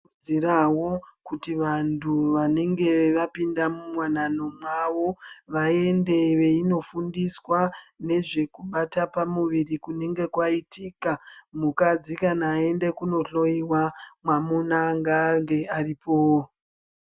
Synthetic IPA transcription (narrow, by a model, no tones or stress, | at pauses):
iɾawo̞kutiʋantʰuʋane̞ŋɡe̞ʋapindamumwanano̞mwaʋo̞ʋae̞nde̞ʋe̞ino̞fundiswane̞ʐe̞kuɓatapamuʋirikune̞ŋɡe̞kwaitikamukad͡zikanaːe̞nde̞kuno̞ɬo̞iwamwamunaŋɡaŋɡe̞aripo̞ːwo